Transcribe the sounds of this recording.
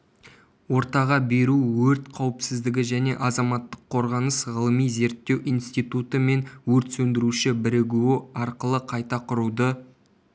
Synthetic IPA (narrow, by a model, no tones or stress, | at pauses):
wo̞ɾt̪ɑʁɑbe̞ɾuwɵɾt̪qʰɑwəpsɪzd̪ɪɡʲɪʒæne̞̰ʔɑzɑmɑt̪ːəqʰːo̞ɾʁɑnəsʁəlˠəmijze̞ɾt̪ːe̞wʔijnst̪ijt̪ut̪əme̞nwɵɾt̪sɵnd̪ɪɾuʃɪbɪɾɪɡʲuɪɑɾqəlˠəqʰɑjt̪ɑqʰʊɾud̪ə